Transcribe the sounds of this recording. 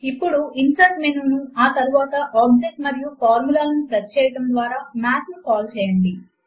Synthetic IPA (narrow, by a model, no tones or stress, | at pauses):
ipːuɽuinsɐɾʈmenunuaːt̪ɐɾuʋaːt̪ɐʔaːbd͡ʒek̚ʈmɐɾijupʰaːɾmulaːlɐnipɾɐtːt͡ʃɛːjɐʈɐmd̪ʋaːɾaːmaːt̪nukaːlt͡ʃɛːjɐɳɖi